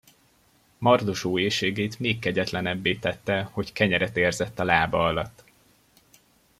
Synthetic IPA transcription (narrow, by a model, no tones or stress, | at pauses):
mɒrd̪oʃoːeːʃeːɡeːt̪meːkːɛɟɛt̪lɛnɛbːeːt̪ɛt̪ːɛho̞ckɛɲɛɾɛt̪eːrzɛt̪ːɒlaːbɒɒlɒt̪ː